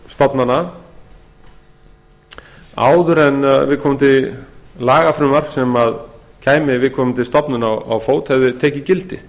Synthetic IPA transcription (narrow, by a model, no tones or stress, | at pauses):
st̪ɔpnanːa | a̰ːwðʏɾɛnvɪðkʰɔːmɪnt̪ɪlaːɣafɾʏmar̥ksɛmað | cʰaːjmɪvɪðkʰɔːmɪnt̪ɪst̪ɔpnʏnaa̰wfoːwt̪hɛvðɪt̪ʰɛːcɪcɪlt̪ɪ